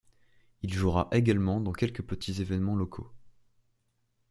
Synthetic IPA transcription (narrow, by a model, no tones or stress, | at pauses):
ilʒuʁaʔeɡalmɑ̃d̪ɑ̃kʲɛlkəpət̪ʰizevɛnmɑ̃lɔkʰo̰